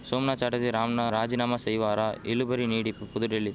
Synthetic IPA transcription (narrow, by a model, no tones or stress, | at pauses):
soːmnaːt͡ʃaːʈɐd̪iɾaːmnaɾaːd͡ʒinaːmɐsɐjʋaːɾailubɐɾiniːɽippud̪uʈelːi